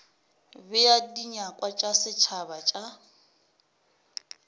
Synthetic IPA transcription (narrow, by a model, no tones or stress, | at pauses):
bɪjadiɲakʼwat͡ʃʼasɪt͡ʃʰabat͡ʃʼa